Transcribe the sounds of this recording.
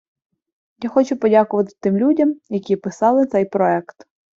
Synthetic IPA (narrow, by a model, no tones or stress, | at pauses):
jaxɔt͡ʃʊpɔdʲakʊʋɐt̪ɪ̥t̪ɪmlʲudʲɐmjɐkʲipɪsɑlˠɪt̪sɛjpɾɔɛkt̪